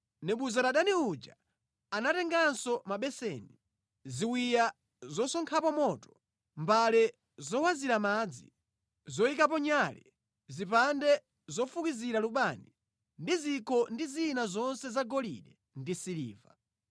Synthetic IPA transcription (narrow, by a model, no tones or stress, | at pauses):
nɛɓuzaɾaɗaniud͡ʒa̰ | anatɛŋɡansɔmaɓɛsɛ̰ni | ziwija | zɔsɔŋkʰapɔmɔtɔ̥ | mbalɛ | zɔwaziɾamad͡zḭ | zɔikap̬ɔɲalɛ | zipandɛ | zɔfukiziɾaluɓani | ndizikɔndiziːnazɔnsɛzaɡɔlḭɗɛ | ndisilḭːva̰